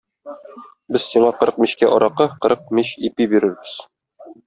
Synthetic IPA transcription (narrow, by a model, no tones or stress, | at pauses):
bɘz̥siɴɑqɤ̆ɾɤq̚miɕkæʔɒɾɑqɤqɤ̆ɾɤq̚miɕipibiɾɘɾbɘz̥